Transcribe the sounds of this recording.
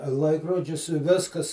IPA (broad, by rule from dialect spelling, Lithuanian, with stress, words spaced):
ˈlˠɐɪkroːd͡ʒʲʊs ɪ ˈʋʲɪskɐs